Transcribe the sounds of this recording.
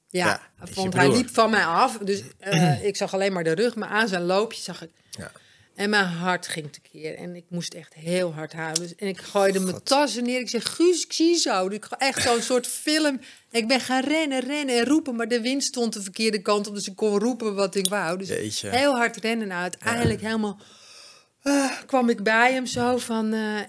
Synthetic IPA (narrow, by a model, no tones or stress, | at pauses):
jafonthɛjdipfɔnmɛjɔfdøsɪksɑxaleːnmaɹdərøxma̰ɹʔaːnsɛnloːpʰjə̥sɑxɪk | ɛnmɛjnɦɔrtxɪŋtə̥kʰɪərɛ̰nɪk̚mustɛxtɦɪːəlˠɦɑɹtɦawsɛnɪkxojdəmətɔsənɪəɾɪksɛxxysɪksizowdsɪkʔɛxtsoənsoːtfɪlˠəm | ɪk̚bɪnxaːnrɛnərɛnənɛnrupənmaɹdəʋɪnststontəfərkɪədəkɑntop̚døsɪkːonrupəʋɔtɪkʋawdøsɦeːlˠɦɑrtrɛnənːtɛjəndləkɦeːlˠmalˠ | əkʋɔmɪk̚bɛjəmsowfɔnə